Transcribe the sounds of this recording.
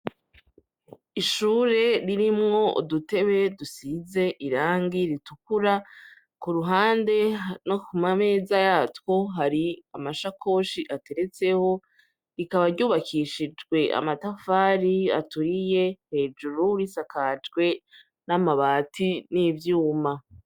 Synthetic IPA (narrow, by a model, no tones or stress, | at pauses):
iʃuːɾe̞ɾiɾimŋo̞ʔdute̞βe̞dusize̞ʔiɾaːŋɡiɾitukuɾa | kuɾuɦaːnde̞nokumame̞ːzajaːtwo̞ɦaɾiamaʃakʰo̞ːʃiʔate̞ɾe̞t͡se̞ho̞ | ɾikaβaɾɟuːβakʰiʃid͡ʒɡwe̞ʔa̰matafaːɾia̰tuɾije̞he̞ːd͡ʒuɾuɾisakad͡ʒɡwe̞ | namaβaːtʰinivjuːma